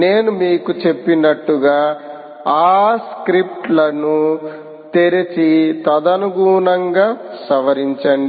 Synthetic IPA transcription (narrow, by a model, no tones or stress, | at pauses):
ne̞ːnumiːkut͡ʃe̞pːinɐʈːuɡaː | aːskɾip̚ʈlɐnu | t̪iɾit͡ʃit̪ɐd̪ɐnuɡuːnɐŋɡaːsɐʋɐɾiɲt͡ʃɐɳɖi